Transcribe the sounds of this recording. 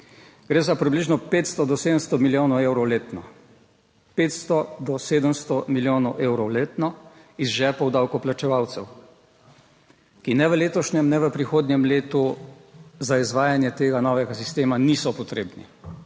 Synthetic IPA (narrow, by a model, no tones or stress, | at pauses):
ɡ̥ɾeːzapɾibliʒnɔpeːt̪st̪ɔd̪ɔseːd̪əmst̪ɔmiljoːnɔwewɾɔwleːt̪nɔ | peːt̪st̪ɔd̪ɔseːd̪əmst̪ɔmiljoːnɔwʔeːwɾɔwleːt̪nɔ | izʒɛpɔwd̪awkɔplat͡ʃɛʋawt̪sɛw | kinɛʋəleːt̪ɔʃnʲɛmnɛʋəpɾixoːd̪njɛmleːt̪u | zaizʋaːjanjɛt̪eːɡanɔːʋɛɡasist̪eːmanisɔpɔt̪ɾeːbnḭ